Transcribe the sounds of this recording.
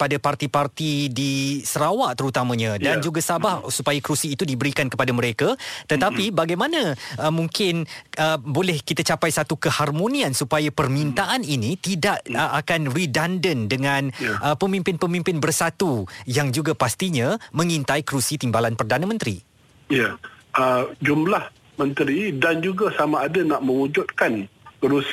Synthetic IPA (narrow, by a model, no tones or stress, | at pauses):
padapart̪ipart̪idisəɾawaʔt̪əɾut̪amãɲãdand͡ʒuɡasabahsupajakɾusiːt̪udibəɾikankəpadaməɾekat̪ət̪apibaɡajmãnãəmuŋkɪnəbolɛhkit̪at͡ʃapajsat̪ukəharmõnĩansupajapərmint̪aʔaninit̪idaʔəʔakanridandəndəŋãnəpəmĩmpɪnpəmĩmpɪnbərsat̪ujaŋd͡ʒuɡapast̪iɲãmə̃ŋint̪aikəɾusit̪imbalanpərdanãmə̃nt̪ɾḭ | jaʔəd͡ʒumlah | mə̃nt̪ɾidand͡ʒuɡasamaːdanaʔmə̃wud͡ʒʊt̪̚kankəɾus